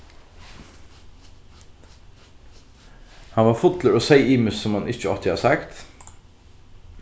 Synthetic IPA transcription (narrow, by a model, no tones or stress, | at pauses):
hɑnʋɑːfʊt̪t̪ʰləɾoːsæɪʔiːmʉssɔmhɑnɪçəɑ̰lt̪ɪhɑ̰ːsɑkt̪